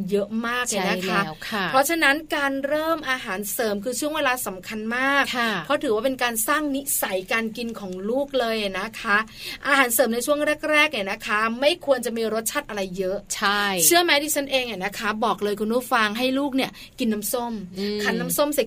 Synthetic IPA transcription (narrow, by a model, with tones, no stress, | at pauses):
jɤ˦˥ʔmaː˥˩k̚laː˧˩na˦kʰa˦˥˦kʰpʰɾɔ˦˥t͡ɕʰa˧na˦˥nkaː˧nɾɤː˥˩mʔaː˧ɦaː˩˦nsɤː˩˦mkʰɯː˧t͡ɕʰu˥˩əŋweː˧laː˧sa˩˦mkʰa˧nmaː˥˩kʰpʰɾɔ˦˥t̪ʰɯː˨˩˦waː˥˩pe˧nkaː˧nsaː˥˩ŋni˦˥sa˩˦jkaː˧nki˧nkʰɔː˩˦ŋluː˥˩k̚lɤː˧jʔa˨˩na˦˥kʰa˦˥ʔaː˧ɦaː˩˦nsɤː˨˩˦mna˧jt͡ɕʰu˥˩əŋɾɛː˥˩k̚ɾɛː˥˩k̚ni˧˥˩na˦˥kʰa˦˥ma˥˩jkʰu˧ənt͡ɕa˨˩miː˧ɾo˦˥t̪̚t͡ɕʰa˦˥t̪̚ʔa˧ɾa˧jːɤ˦˥ʔt͡ɕʰa˥jt͡ɕʰɯ˥˩əma˦˥jdiː˧˩t͡ɕʰa˦˥nʔeː˧ŋʔa˨˩na˦˥kʰa˦˥bɔː˨˩k̚lɤː˧jkʰu˧nuː˦˥˩fa˧ŋɦa˥˩jluː˥˩k̚ni˥˩ɐ | ki˧nːa˦˥mso˥˩mkʰa˧nːa˦˥mso˥˩msi˨˩